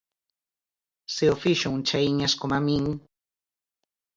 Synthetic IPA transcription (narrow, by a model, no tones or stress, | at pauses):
seofiʃoŋt͡ʃajɲaskomamiŋ